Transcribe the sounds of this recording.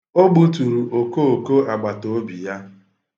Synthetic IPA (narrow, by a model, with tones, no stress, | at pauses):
o˦ɡ͡bu˦tu˨ɾu˨ʔo˨ko˦o˨ko˦a˨ɡ͡ba˨to˨˦bi˨ja˦